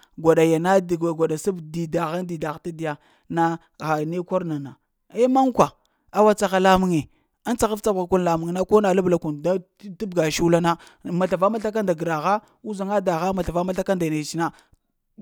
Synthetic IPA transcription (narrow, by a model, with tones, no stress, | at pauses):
ɡʷa˨ɗa˨ja˨na˦˨ɡʷa˨ɗa˨sa˦bdi˨da˨ɣa˦ndi˨da˨ɣta˦di˨ja˨ | na˦ | ɣa˨ne˦kʷo˦ɾna˨na˨ | e˦ma˦ŋkʷa˨ | a˦wa˦t͡sa˦ɣa˦la˦mu˦ŋe˨ | a˦n˦t͡sa˨ɣa˦ft͡sa˦bɣa˨ku˦nla˨mu˨ŋ˦na˦ko˦na˨lu˦bla˨ku˨nda˦ | ti˦b̚ɡa˨ʃu˦la˦na˦ | ma˨ɬa˨va˦ma˦ɬa˦k̬a˦nda˨ɡɾa˨ɣa˦ | u˦za˨ŋa˦da˨ɣa˦ma˨ɬa˨va˦ma˦ɬa˦ka˦nda˨jna˨t͡ʃi˦na˦